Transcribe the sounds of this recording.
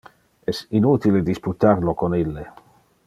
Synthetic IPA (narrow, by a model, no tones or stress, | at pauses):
ɛsinut̪iled̪isput̪aɾlokonilːe